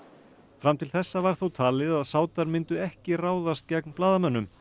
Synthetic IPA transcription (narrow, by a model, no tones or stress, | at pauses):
fɾamt̪ʰɪlθɛsːavaɾ̥θuwt̪ʰaːlɪðaðsaːwt̪aɾmɪnt̪ʏɛhcɪraːwðast̪̚cɛknplaːðamœnːʏm